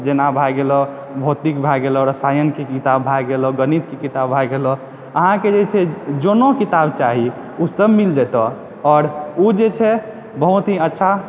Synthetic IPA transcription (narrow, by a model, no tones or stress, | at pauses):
d͡ʒenabʱajɡelɔ | bʱot̪ikbʱaɡelɔɾəsajənkekit̪abbʱajɡelɔɡənit̪kekit̪abbʱajɡelɔ | əɦãked͡ʒet͡ʃʰɛd͡ʒonokit̪abt͡ʃaɦi | usəbmild͡ʒɛt̪ɔ | ɔːɾud͡ʒet͡ʃʰɛ | bəɦut̪ɦiətːʃʰa